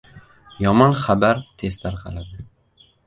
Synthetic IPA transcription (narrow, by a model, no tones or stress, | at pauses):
jɒmɒnχabaɾt̪ʰe̞z̥t̪ʰaɾqʰɑ̰lad̪ɪ